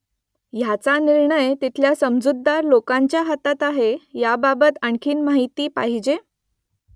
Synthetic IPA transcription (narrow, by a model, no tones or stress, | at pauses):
jat͡saniɾɳəjt̪it̪ʰljasəmd͡zud̪ːaɾlokaɲt͡ɕjaɦət̪at̪aɦejababət̪əɳkʰiːnmaɦit̪iːpa̰ɦid͡ʑe